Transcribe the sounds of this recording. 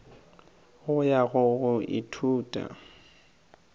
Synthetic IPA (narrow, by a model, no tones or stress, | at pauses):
ɣʊjaɣʊɣʊʔɪ̰tʰuːtʼa̰